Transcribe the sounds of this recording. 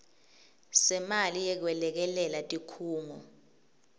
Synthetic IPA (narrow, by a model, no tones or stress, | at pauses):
sɛmalijɛk̬wɛlɛk̬ɛlɛlatʼikʰuːŋɔ